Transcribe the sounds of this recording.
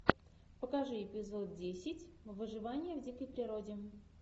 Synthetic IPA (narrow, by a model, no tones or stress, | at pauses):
pəkɐʐɨɪpʲɪzo̞t̪̚dʲesʲɪtʲvɨʐɨvanʲɪjəvdʲikəjpɾʲɪɾodʲɪ